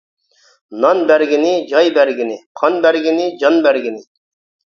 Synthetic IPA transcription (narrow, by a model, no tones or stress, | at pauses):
nɑnbæɾɡʲinɪd͡ʒɑjbæɾɡʲinɪqʰɑnbæɾɡʲɪnɪd͡ʒɑnbæɾɡʲinɪ